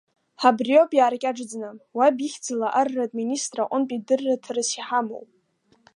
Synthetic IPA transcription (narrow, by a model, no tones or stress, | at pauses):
ħabriopʼjaːrkʲʼaʈ͡ʂd͡znawabixʲd͡zalaʔarːatʼminʲistʼraʔʷʼʊnpʼidɨrːatʰrɨsiħamo̰wpʼ